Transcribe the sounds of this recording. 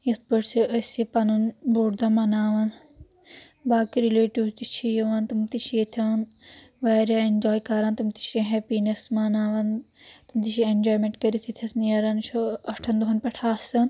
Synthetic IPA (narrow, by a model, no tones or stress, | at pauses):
jɐsbɐʈsiəsipɐnunbuɽd̪ɐmɐnaːʋɐn | baːkiɾileːʈiwt̪it͡ʃʰijɐʋɐnt̪umt̪it͡ʃʰijet̪ʰɐn | ʋaːɾʲaend͡ʒoːjkaːɾaːnt̪umt̪i̥t͡ʃʰɾʲẽɦepinesmɐnaːʋɐnt̪umd̪iʃiend͡ʒoːjmẽɳʈkɐɾit̪ʰit̪ʰɐsnijɐɾɐnt͡ʃʰoɐʈʰɐnd̪uɦɐnpɐʈʰaːsɐn